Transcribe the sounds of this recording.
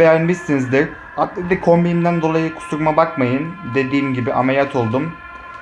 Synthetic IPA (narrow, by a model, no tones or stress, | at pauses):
ejanbist̪ːinizd̪iɾ | at̪̚lid̪ɛkʰo̞mbijimd̪ænd̪o̞lˠajɯkʰu̥suɾmabakmajɯnd̪e̞d̪iːmɟibiʔamejat̪ʰo̞lˠd̪um